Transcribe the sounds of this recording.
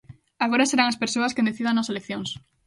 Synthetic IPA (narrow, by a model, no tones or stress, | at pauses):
aɣoɾaseɾaŋɐspeɾsoɐskend̪eθiðaŋnɐselekθjoŋs